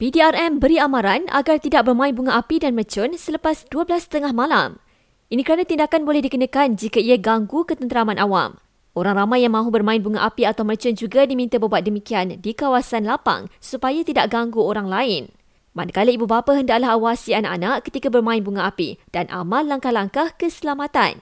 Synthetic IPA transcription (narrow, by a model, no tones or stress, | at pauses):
pidiarɛmbəɾiamaɾana̰ɡart̪idaʔ̚bərmãɪnbuŋaʔapidanmət͡ʃʊnsələpasduəblast̪əŋahmala̰m | ʔinikəɾanat̪indakanbolɛhdikənəkand͡ʒikaiaɡaŋɡukət̪ənt̪əɾamãnʔawa̰m | ʔoɾaŋramajːaŋmãɦubərmãɪnbuŋaʔapiat̪awmət͡ʃʊnd͡ʒuɡadimĩnt̪abəbuat̪̚dəmikiandikawasanlapa̰ŋsupajat̪idaʔɡaŋɡuoɾaŋlaɪn | manəkaləibubapaɦəndaʔlaɦawasianaʔanaʔkət̪ikabərmãɪnbuŋaʔapḭd̥anʔa̰malːaŋkahlaŋkahkəsəlamat̪a̰n